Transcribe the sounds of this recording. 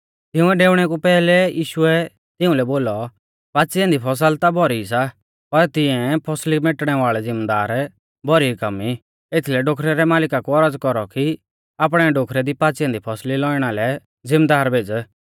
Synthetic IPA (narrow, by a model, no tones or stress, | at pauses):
t̪ɪʊ̃ɛɖeːʊɽ̃ɛk̬upɛːlɛjiːʃʊɛ | t̪ɪũlɛboːlɔ | paːt͡siɛ̃nd̪ipʰɔs̬əlt̪abʱɔɾisa | pɐɾt̪ɪɛ̃pʰɔslimeʈɽ̃ɛʋaːɭɛd͡zɪmd̪aːɾ | bʱɔɾikɐmːi | et̪ʰilɛɖoːkʰɾɛɾɛmaːlɪkakuɔɾəd͡zkɔɾɔki | aːp̬ɽ̃ɛɖoːkʰɾɛd̪ipaːt͡sɛ̃nd̪ipʰɔslilɔːɪɽ̃alɛ | zɪ̃md̪aːɾbʱeːd͡z